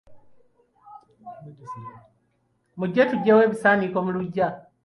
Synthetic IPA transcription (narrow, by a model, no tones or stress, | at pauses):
muɟɛtuɟɛwɛβisanikɔmuluɟa